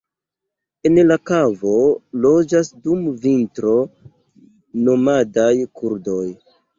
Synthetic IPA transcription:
e̞nlakavo̞lo̞d͡ʒasdumvintɾo̞ | no̞madajkuɾdo̞j

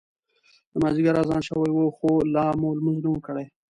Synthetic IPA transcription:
d̪əmɑziɡaɾazɑnʃəwajwəxolɑmolmʊzlumkəɽaj

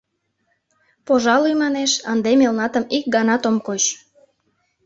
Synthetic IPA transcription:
poʒɑlujmɑneʃənd̪emelnɑt̪əmik̚ɡɑnɑt̪omkot͡ɕ

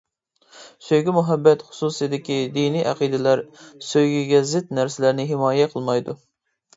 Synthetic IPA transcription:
søjɡʲimuɦɛbːɛt̪χʊ̥susɨjd̪ɪkʲid̪inijʔæqid̪ɪlæɾsøjɡʲiɡʲɛzɪt̪næɾsɪlæɾnɪɦɪmɑːjɛqʰəlˠmɑjd̪u

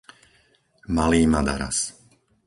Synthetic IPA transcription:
maliːmad̪a̰ɾa̰s

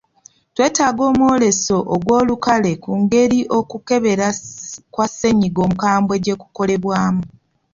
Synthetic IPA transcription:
twe̞ːtaːɡo̞ːmwo̞ːle̞so̞ʔoɡwo̞ːlukale̞kuŋɡe̞ɾiʔo̞kuke̞βe̞ɾakwasːe̞ɲiɡo̞ːmukaːmbwe̞ɟe̞ku̥ko̞le̞βwaːmu

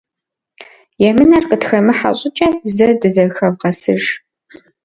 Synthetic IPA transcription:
jɛmɨnɐrqətxɐmɨħa̰ɕʼɪt͡ʃʼɐzɐdɨzɐxɐvʁɐsɨʒ

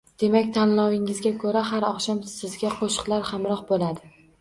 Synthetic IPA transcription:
d̪̥e̞makʲt̪ʰanlɒwɪŋɪzɡʲakʰɵɾahaɾɒχʃɒmsɪzɡʲaqʰoʃɨ̥qlˠaɾhamɾɒqbolad̪ɪ

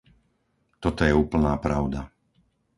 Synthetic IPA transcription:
t̪ɔt̪ɔjɛuːpl̩naːpɾaʊd̪a

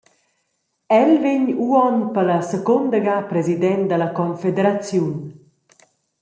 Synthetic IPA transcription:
ɛlveɲuɔnpələsəkond̪əɡapɾezid̪ɛn̚d̪ələkɔnfed̪eɾat͡sjun

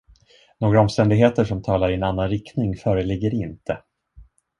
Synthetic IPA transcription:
noːɡɾaɔmst̪ɛnd̪ɪɡɦeːt̪əʂɔmt̪ʰɑːlaɾɪɛnanːanɾɪkt̪nɪŋfœːɾəlɪɡːəɾɪnt̪ʰə

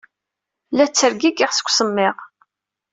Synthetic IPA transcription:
læt͡sːəɾɡiɡɪʁsə̥kʷːsəmːɪʁ

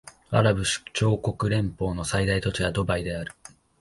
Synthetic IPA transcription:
a̰ɾabɯ̟ɕi̥t͡ɕo̞ːko̞kɯ̟ɾẽ̞mpo̞ːno̞said̪ait̪o̞t͡ɕiɡad̪o̞baid̪e̞aɾɯ̟

